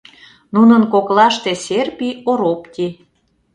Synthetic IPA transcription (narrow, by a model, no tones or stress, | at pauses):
nunə̆nkoklɑʃt̪eserpʲioɾopt̪ʲi